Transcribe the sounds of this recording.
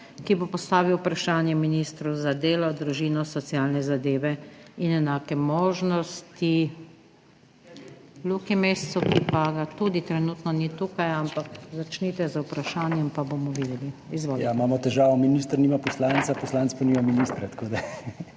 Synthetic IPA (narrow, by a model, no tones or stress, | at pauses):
kibopɔst̪aːʋiwpɾaʃaːnjɛminist̪ɾuzad̪eːlɔd̪ɾuʒiːnɔsɔt̪sjaːlnɛzad̪eːʋɛinɛnaːkɛmoːʒnɔst̪i | lukimest̪sukipaɡat̪uːd̪it̪ɾɛnuːt̪nɔnit̪uːkajampakzat͡ʃnit̪ɛzwpɾaʃaːnjɛmpabomɔʋiːd̪ɛliizʋoːjamaːmɔt̪ɛʒaːʋɔminiːst̪ɾniːmapɔslant̪sapɔslaːnt͡s̪paniːmaminiːst̪ɾɛt̪koːd̪a